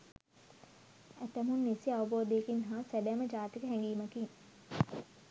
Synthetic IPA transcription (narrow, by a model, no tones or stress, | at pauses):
æt̪æmunːisiaʋəboːd̪eekinɦaːsædæməd͡ʒaːt̪ikəɦɛŋɡiːməkin